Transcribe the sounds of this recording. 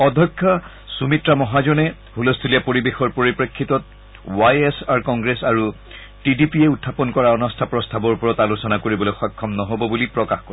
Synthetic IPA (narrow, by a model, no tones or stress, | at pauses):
ɔdʱɔkʰːɔ | sumitɹamɔɦad͡ʒɔnɛ | hulɔstʰulijapoɹibexɔɹpoɹipɹekʰːitɔt̚ | wajesaɹkɔŋɡɹesaɹu | tidipiɛutʰːapɔnkɔɹaɔnɔstʰapɹɔstʰabɔɹpɔɹɔtalusɔnakoɹibɔloxɔkʰːɔmnɔɦobɔbulipɹɔkaxkɔɹ